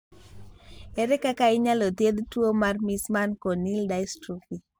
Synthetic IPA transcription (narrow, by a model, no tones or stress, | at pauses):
ɛɾɛkakaiɲalɔt̪jed̪twomarmismankonildastɾupi